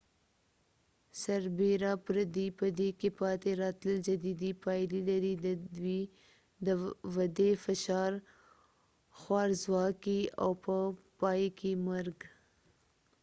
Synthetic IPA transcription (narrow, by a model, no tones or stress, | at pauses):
saɾbeɾapɾad̪ipəd̪ekepɑt̪eɾɑt̪ləld͡ʒad̪id̪ipɑjlilaɾid̪əd̪wi | d̪əwad̪efɪʃɑɾ | xwɑɾzwɑkia̰wpəpɑjkemaɾɡ